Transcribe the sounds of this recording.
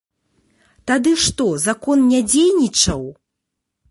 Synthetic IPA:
t̪ad̪ɨʂt̪ɔzakɔnnʲad͡zʲejnʲit͡ʂɐw

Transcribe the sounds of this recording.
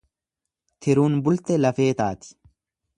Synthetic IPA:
t̪ʰɪɾuːnbʊlt̪ɛlɐfe̞ːt̪aːt̪ɪ̥

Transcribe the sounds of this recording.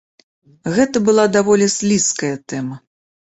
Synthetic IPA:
ɣɛt̪ɐbɨlˠad̪avɔlʲisʲlʲiskɐjɐt̪ɛmɐ

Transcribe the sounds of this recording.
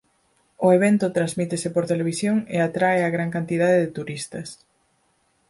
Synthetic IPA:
ʊeβ̞ɛnt̪ʊt̪ɾazmit̪esɪpoɾt̪eleβ̞isjoŋḛat̪ɾaeaɣɾaŋkant̪ið̞aðeðɪt̪uɾist̪ɐs

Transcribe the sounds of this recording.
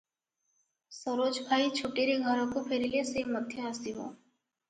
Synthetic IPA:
səɾoːd͡ʒbʱaːit͡ʃʰoːʈiɾeɡʱəɾõkopʰeɾileseməd̪ʱjəast̪iɦo̰ː

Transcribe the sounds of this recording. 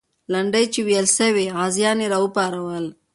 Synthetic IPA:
laɳɖəjt͡ʃewjəlsəweɑzjɑneɾɑupɑɾawəl

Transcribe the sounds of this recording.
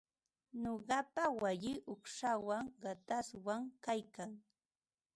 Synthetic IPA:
ɲoɢɑpawaʎɪʔʊkʂawaŋɢat̪aswaŋkajkaŋ

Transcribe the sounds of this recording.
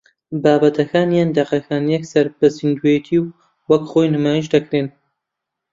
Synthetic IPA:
baːbɐt̪ʰɐkʰaːnjaːnd̪ɐqɐkʰaːnjɛksɐɾbɐsind̪ujɛt̪ʰiw | wɐkχoːjnɨmaːjiʃd̪ɐkɾeːn

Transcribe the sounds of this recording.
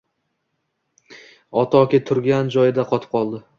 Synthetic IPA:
ɒt̪ʰɒkʲɪt̪ʰʊɾɡʲand͡ʒɒjɪd̪aqʰɒt̪ʰɪ̥p̚qʰɒlˠd̪ɪ

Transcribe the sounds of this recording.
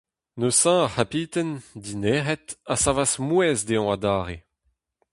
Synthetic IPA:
nøsãahapiːt̪ɛndineːʁɛt̪asavasmwɛzd̪eɔ̃ad̪aːʁe

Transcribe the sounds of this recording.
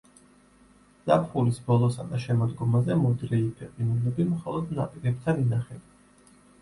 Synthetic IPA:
z̥a̰pʰχulisbɔlˠɔsad̪aʃɛmɔd̪ɡɔmazɛmɔd̪ɾɛipʰɛqʼinulɛbimχɔlˠɔd̪napʼiɾɛp̚t̪ʰaninaχɛb

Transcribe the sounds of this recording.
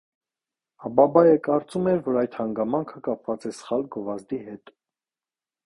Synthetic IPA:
ɑbɑbɑjəkɑɾt͡sumɛɾvɔɾɑjd̪hɑŋɡɑmɑŋkʰəkɑpʰvɑt͡sɛsə̥χɑlɡɔvɑzd̪iɦɛt̪

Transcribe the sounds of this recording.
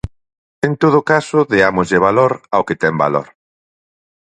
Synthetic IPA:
ent̪oð̞ʊkasʊðeamʊzʎeβ̞aloɾawket̪ɛmba̰lo̰ɾ

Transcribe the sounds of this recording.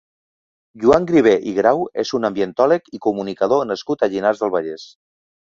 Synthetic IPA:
ʒuaŋɡɾiβ̞eʔiɣɾawezunəmbjənt̪ɔləkikumunikað̞onəskut̪əʎinarzðəlˠβaʎes

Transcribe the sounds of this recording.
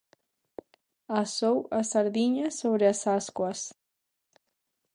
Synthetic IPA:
asowasaɾðiɲasoβɾeasaskwas

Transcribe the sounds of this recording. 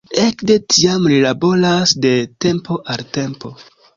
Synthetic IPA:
e̞kde̞tʰiamlilabo̞lasde̞te̞mpʰo̞ʔalte̞mpo̞

